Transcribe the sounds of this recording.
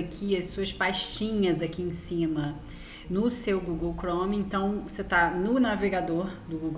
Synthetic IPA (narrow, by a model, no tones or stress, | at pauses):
kʰiɐssuɐspajʃt͡ʃĩɲɐzakiẽsĩmɐ | nʊsewɡuɡowkɾõmẽnt̪ɐ̃w̃voset̪anʊnaveɡad̪oɾd̪ʊɡuɡ